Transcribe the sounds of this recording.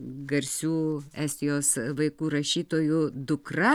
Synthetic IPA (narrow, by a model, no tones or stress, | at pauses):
ɡɐɾʲsʲuːæːsʲt̪ʲɪjoːsʋɐɪkuːɾɐʃʲiːt̪oːjʊd̪ʊkrɐ